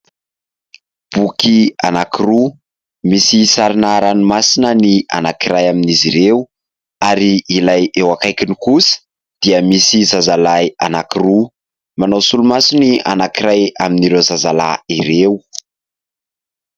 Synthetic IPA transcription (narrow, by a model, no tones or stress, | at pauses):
b̥ukia̰nakiru | misisaɾinaɾanimasinənia̰nakiɾajaminiziɾew | aɾiːlajewakajkʲinikusə̥ | d̪̥iəmisizazalajanakiru | manawsulumasiniʔanakiɾajaminiɾewzazala̰iɾew